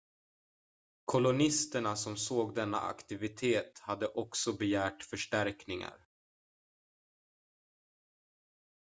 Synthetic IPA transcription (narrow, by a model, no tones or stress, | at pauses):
kʰʊlʊnɪst̪əɳasɔmsoːɡd̪ɛnːa̰a̰kt̪ɪvɪt̪ʰeːt̪had̪ːəʔɔksɔbɛjæːʈfœʂʈæɾknɪŋa̰ɾ